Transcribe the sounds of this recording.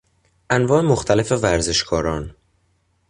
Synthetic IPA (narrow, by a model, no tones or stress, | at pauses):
ʔænvɒːemoxt̪ʰælefe̞væɾze̞ʃkʰɒːɾɒːn